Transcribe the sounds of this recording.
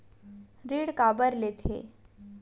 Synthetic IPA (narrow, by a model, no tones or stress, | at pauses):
ɾiːɽkabəɾlet̪ʰḛ